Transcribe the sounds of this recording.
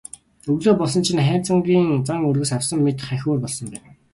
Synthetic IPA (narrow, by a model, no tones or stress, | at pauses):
ɵɣɮoːpɔɮsɞ̆nt͡ɕʰĭnχæ̥ːt͡sə̆ŋɡiːŋt͡saŋɵrɣɘ̆sawsə̆mːet̪χæxʲuːrpɔɮsɞ̆mpæːn